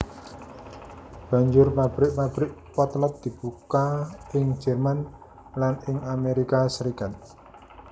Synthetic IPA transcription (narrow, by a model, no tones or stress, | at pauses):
b̥ä̤ɲd͡ʒʊrmab̥ɾɪʔmab̥ɾɪʔpɔt̪lɔt̪̚d̪̥i̤b̥ukaɪŋd͡ʒɛ̤rman | lanɪŋameɾikasɾikat̪̚